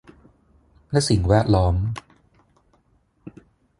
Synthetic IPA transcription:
lɛ˦˥ʔsi˨˩ŋwɛː˥˩t̪̚lɔː˦˥m

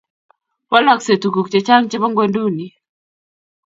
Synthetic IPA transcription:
pɔ˦la˦kse˨tu˨ku˨kt͡ʃe˨t͡ʃa˦ŋt͡ʃɪ˦βɔ˦ŋɡwe˦ndu˦ni˨

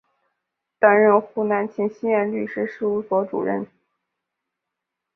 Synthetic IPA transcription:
t̪a˥nɻə˥˧nxu˥˩na˧˥nt͡ɕʰi˥ŋɕi˥jɛ˥˧nly˥˩ʂɻ̩˥ʂɻ̩˥˩u˧˥swɔ˧˥ʈ͡ʂṵ˨˩ɻə̰˥˧n

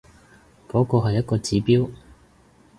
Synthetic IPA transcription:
kɔː˨˥kɔː˧ɦɐ˨jːɐ˥t̚kɔː˧t͡siː˨˥piː˥w

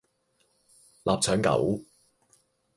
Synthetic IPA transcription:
lʔaː˨p̚t͡sʰœː˨˥ŋkɐ̰˨˥w

